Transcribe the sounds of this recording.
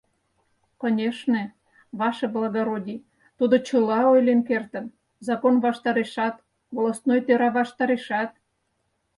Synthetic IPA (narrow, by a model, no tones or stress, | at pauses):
konʲeʃnĕ | βɑʃeblɑɣoɾodʲi | t̪ud̪ot͡ɕəlɑojlʲenkert̪ə̆n | zɑkonβɑʃt̪ɑɾeʃɑt̪ | βolˠost̪nojt̪øɾɑβɑʃt̪ɑɾeʃɑt̪̚